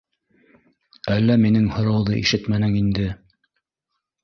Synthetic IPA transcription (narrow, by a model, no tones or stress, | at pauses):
ælːæminɘŋhŏɾɑwðɤʔḭʃɘt̪mænɘŋind̪ɘ